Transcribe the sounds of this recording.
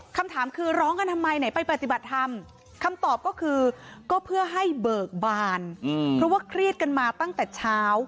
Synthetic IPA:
kʰa˧mt̪ʰaː˩˦mkʰɯː˧ɾɔː˦˥ŋʔa˧nt̪ʰa˧ma˧jna˩˦jpa˧jpɾa˨˩t̪i˨˩ba˨˩t̪̚t̪ʰːa˧m | kʰa˧mt̪ɔː˨˩p̚kɔː˥˩kʰɯː˧kɔː˥˩pʰɯ˥˩ɐɦa˥˩jbɤː˨˩k̚baː˧˩npʰɾɔ˦˥waː˥˩kʰɾi˥˩ət̪̚ka˧nmaː˧t̪a˥˩ŋt̪ɛː˨˩t͡ɕʰaː˦˥w

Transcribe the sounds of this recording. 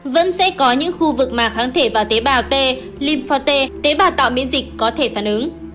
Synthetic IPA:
və̰˧˥nsɛ̰˧˥kɔ˨˦ɲɨ̰˧˥ŋxu˧vɨ˨˩k̚maː˨˩xaː˨˦ŋt̪ʰe˧˩vaː˨˩wt̪e˨˦ɓaː˨˩wt̪e˧ | li˧mfɔ˧t̪e˧t̪e˨˦ɓaː˨˩wt̪a̰ː˧˨wmḭ˧˥ənzï˨˩k̟̚kɔ˨˦t̪ʰe˧˩faː˧˩nʔɨ˨˦ŋ

